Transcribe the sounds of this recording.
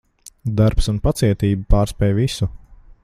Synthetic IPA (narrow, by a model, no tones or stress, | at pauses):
d̪aɾpsunpat̪siɛt̪iːbupaːɾspʲɛjvisu